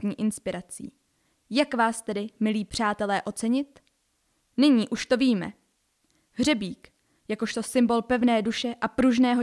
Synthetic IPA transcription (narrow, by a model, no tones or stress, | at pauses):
ɲiːʔɪnspɪɾat͡sḭː | jakvaːst̪ɛdɪmɪliːpr̝̥aːt̪ɛlɛːʔo̞t͡sɛɲɪt̪ | nɪɲiːʔuʃt̪o̞viːmɛ̰ | ɦr̝ɛbiːk | jakoʃt̪o̞sɪmbo̞lpɛvnɛːduʃɛʔapɾuʒnɛːɦo̞